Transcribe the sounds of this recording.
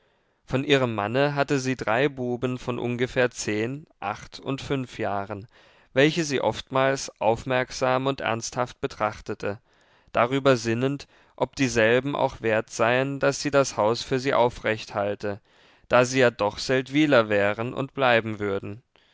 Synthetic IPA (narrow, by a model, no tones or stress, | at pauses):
fɔnʔiːʁ̞əmːanəɦatəziːdʁaɪbuːbən̩fɔnʔʊ̰nɡəfɛːɐt͡seːnʔa̰χtʊ̰ntfʏnfjaːʁən | vɛlçəziːʔɔftmaːlsʔa̰ʊfmɛɐkz̥aːmʊntʔɛ̰ɐnsthaft̚b̥ətʁ̥aχtətʰə | d̥aʁ̞yːbɐzɪnənt | ʔɔp̚d̥iːzɛlbm̩ʔa̰ʊχv̥eːɐtz̥aɪənd̥asz̥iːdashaʊsfyːɐziːʔaʊfʁ̥ɛçthaltə | d̥aːziːjaːdɔχz̥ɛltv̥iːlɐvɛːʁənʔʊ̰ntb̥laɪbm̩vʏɐdn̩